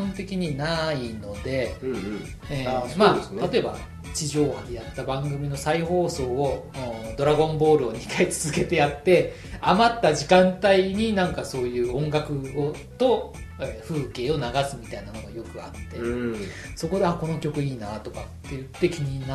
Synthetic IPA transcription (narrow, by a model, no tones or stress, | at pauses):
õnt̪e̞kʲiɲ̟inaino̞d̪e̞ | ẽmaesnt̪at̪o̞e̞ba̰ | t͡ɕiʑo̞ːhad̪ejat̪ːabãŋɡɯ̟mʲino̞saiho̞ːso̞ːod̪o̞ɾaɡõ̞mbo̞ːɾɯ̟oɲ̟ikait͡sɨ̥zɨke̞t̪e̞jat̪ːe̞ | amat̪ːaʑikãnt̪aiɲ̟inãŋkaso̞ːjɯ̟ːõ̞ŋɡakɯ̟ɡo | t̪o̞ | eɸɯ̟ːke̞ːo̞naɡasɨmʲit̪ainamo̞nojo̞kɯ̟a̰t̪ːe̞ | so̞kod̪e̞ako̞no̞kʲo̞kɯ̟iːnat̪o̞kat̪ːe̞jɯ̟t̪ːe̞kʲiɲ̟ina